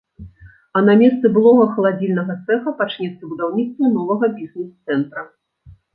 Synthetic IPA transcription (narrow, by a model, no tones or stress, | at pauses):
ɐnamʲɛst̪sɛbɨlˠɔɣɐxɐlˠad͡zʲilʲnɐɣɐt̪sɛxɐpat͡ʂnʲɛt̪sːɐbud̪awnʲit̪st̪vʲɐnɔvɐɣɐbʲiznɛst̪sɛnt̪ɾɐ